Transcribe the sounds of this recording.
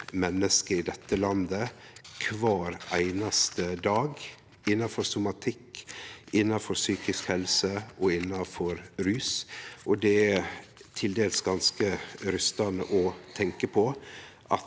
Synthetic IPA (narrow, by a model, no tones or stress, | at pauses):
mɛnːəskəɾɪd̪ɛt̪ːəlɑnd̪ə | kʰʋɑːɾʔæɪnɑst̪əd̪ɑːɡ | ɪnːɑfɔɾsʊmɑt̪ʰɪkː | ɪnːɑfɔɾsyːkɪskhɛlsəɔɪnːɑfɔɾɾyːsʔɔd̪ɛæt̪ʰɪld̪eːlsɡɑnskəɾʏst̪ɑnə̰ʔɔt̪ʰɛŋkəpʰɔʔɑt̪